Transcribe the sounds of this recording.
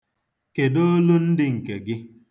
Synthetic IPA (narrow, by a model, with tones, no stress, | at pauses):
ke˨do˦lu˦n̩˦dɪ˦ŋ̩˨ke˨ɡɪ˦